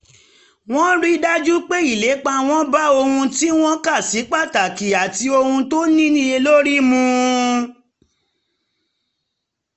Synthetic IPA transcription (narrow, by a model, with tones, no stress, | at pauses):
w̃ɔ̃˦ɾi˦da˦d͡ʒu˦k͡pe˦i˦˨le˨˦k͡pa˧w̃ɔ̃˦ba˦o˧hũ˧ti˦w̃ɔ̃˦ka˦˨si˨˦k͡pa˦˨ta˨ki˨a˨ti˧o˧hũ˧to˦nĩ˦nĩ˦e˧lo˦ɾi˦mũ˧